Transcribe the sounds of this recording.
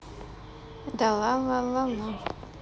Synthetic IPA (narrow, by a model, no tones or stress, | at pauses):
dalalalala